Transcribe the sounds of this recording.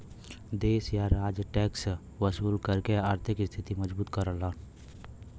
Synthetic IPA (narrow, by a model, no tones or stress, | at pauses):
d̪eːsjaɾaːd͡ʒʈɛːks | wəsuːlkəɾkeaːɾt̪ʰɪkɪst̪ʰɪt̪iməd͡ʒbuːt̪kəɾəlaːn